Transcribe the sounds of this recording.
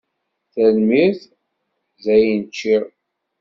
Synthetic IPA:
θælmiθ | zæjənt͡ʃːiɾ

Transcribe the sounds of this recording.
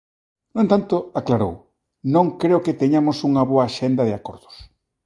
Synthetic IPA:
nowẽnt̪ant̪ʊaklaɾo̰w | nõŋkɾeoket̪eɲamʊsuŋɐβoɐːʃend̪ɐðɪakoɾðʊ̥s

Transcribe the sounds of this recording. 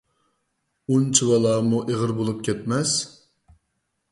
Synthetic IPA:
unt͡ʃʰiwɑlˠɑːmuʔeʁəɾbolˠup̚kʲʰɛt̪mɛs

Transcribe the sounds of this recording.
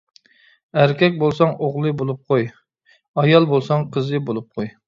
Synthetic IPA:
æɾkʲɛkʲbolˠsɑŋoʁlˠɨbolˠup̚qʰoj | ɑjɑlˠbolˠsɑŋqʰəzɨbolˠup̚qʰoj

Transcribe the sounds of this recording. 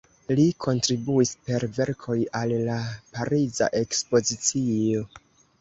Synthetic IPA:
likʰo̞ntɾibuispe̞ɾve̞ɾkʰo̞jalːapaɾiza̰ʔe̞kspo̞zit͡sio̞

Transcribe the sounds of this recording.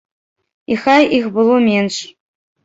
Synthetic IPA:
ixɑjixbɨlˠomʲenʂ

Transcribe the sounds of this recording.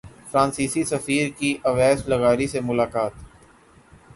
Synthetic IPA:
fɾãːnsiːsisəfiːɾkiʔɐʋɛːsləɣaːɾisemʊlaːkaːt̪

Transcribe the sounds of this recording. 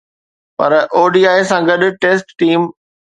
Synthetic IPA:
pɐ̰ɾoːɖiːaːɪsãɡɐɗʊ̆ʈeːsʈːiːm

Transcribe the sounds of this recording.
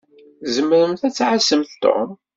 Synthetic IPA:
zəmːəɾəmθæt͡sːʕasəmθt̪ːo̰m

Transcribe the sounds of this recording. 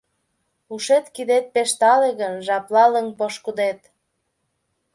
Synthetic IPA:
uʃet̪kid̪et̪̚peʃt̪ɑleɣənʒɑplɑləŋpoʃkud̪et̪

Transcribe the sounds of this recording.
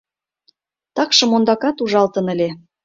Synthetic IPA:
t̪ɑkʃɤ̆mond̪ɑkɑt̪uʒɑlt̪ə̆nə̆lʲe

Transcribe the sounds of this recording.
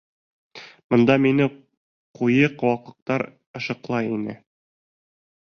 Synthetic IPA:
mŏnd̪ɑminɘ | qujɤqwɑqɤ̆q̚t̪ɑɾ | ɤ̆ʃɤ̆qlˠɑjinɘ̰

